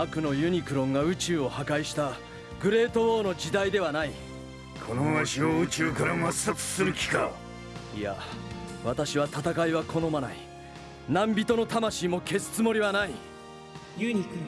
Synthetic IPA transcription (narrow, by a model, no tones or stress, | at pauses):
akɯ̟no̞jɯ̟ɲ̟ikɯ̟ɾõ̞ŋɡaɯ̟t͡ɕɨːo̞hakaiɕi̥t̪a | ɡɯ̟ɾe̞ːt̪o̞bo̞ːno̞d͡ʑid̪aid̪e̞βanai | kʰo̞noaɕioɯ̟t͡ɕɨːkaɾamasat͡sɨ̥sɨɾɯ̟kʲi̥ka | ija̰βat̪aɕiβat̪at̪akaiβakʰo̞no̞manai | nãmbʲit̪o̞no̞t̪amaɕiːmo̞ke̞sɨ̥t͡sɨmo̞ɾʲiβanai